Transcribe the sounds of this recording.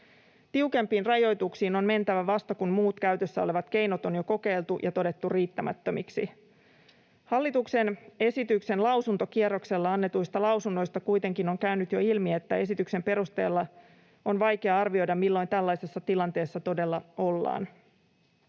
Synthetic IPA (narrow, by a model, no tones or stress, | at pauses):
t̪iuke̞mpiːnrɑjo̞jt̪uksiːno̞nme̞nt̪æʋæʋɑst̪ɑkunmuːt̪kæyt̪øsːæo̞le̞ʋɑt̪ke̞jnot̪o̞njo̞ko̞ke̞jlt̪ujʔɑt̪o̞de̞t̪ːuriːt̪ːæmæ̰t̪ːømiksḭ | hɑlːit̪ukse̞ne̞sit̪ykse̞nlɑwsunt̪o̞kierːo̞kse̞lːɑɑnːe̞t̪ujst̪ɑlɑwsunːo̞jst̪ɑkujt̪e̞ŋkino̞ŋkæynyt̪joilmie̞t̪ːæe̞sit̪ykse̞mpe̞ɾust̪ḛːlːɑ | o̞nʋɑjke̞ɑɑrʋio̞jdɑmilːo̞jnt̪ælːɑjse̞sːɑt̪ilɑnt̪e̞ːsːɑt̪o̞de̞lːɑo̞lːɑ̰ːn